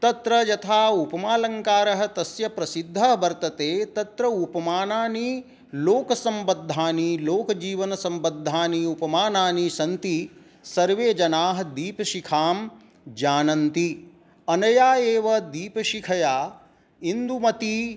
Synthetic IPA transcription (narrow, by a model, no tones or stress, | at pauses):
t̪ɐt̪ɾɐjɐt̪ʰaːupɐmaːlɐŋkaːɾɐɦɐ̆t̪ɐsjɐpɾɐsid̪ʱːɐɦbɐɾt̪ɐt̪eːt̪ɐt̪ɾɐupɐmaːnaːni | loːkɐsɐmbɐd̪ʱːaːniloːkɐd͡ʒiːʋɐnɐsɐmbɐd̪ʱːaːniupɐmaːnaːnisɐnt̪i | sɐɾʋeːd͡ʒɐnaːɦɐ̆d̪iːpɐʃikʰaːm | d͡ʒaːnɐnt̪i | ɐnɐjaːeːʋɐd̪iːpɐʃikʰɐjaː | ind̪umɐt̪i